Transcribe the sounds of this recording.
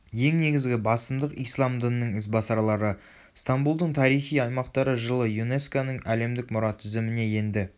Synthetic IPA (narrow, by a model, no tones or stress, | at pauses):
je̞ŋne̞ɡʲɪzɡʲɪbɑsəmd̪əqijslˠɑmd̪ənːəɴɪs̬bɑsɑɾlˠɑɾə | st̪ambulˠd̪əɴt̪ʰɑɾijχijɑjmɑqt̪ɑɾəʒəlˠəjune̞skonəɴæle̞md̪ɪkmʊɾɑt̪ʰʏzɪmɪne̞je̞nd̪ɪ